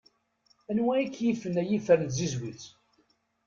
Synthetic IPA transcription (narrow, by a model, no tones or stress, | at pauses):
ænwæikːjifənæjifəɾənzizwiθ